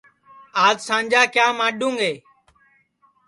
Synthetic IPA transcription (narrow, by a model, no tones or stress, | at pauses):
aːzsãːnʲd͡ʒaːkjaːmãːɗũːŋɡeː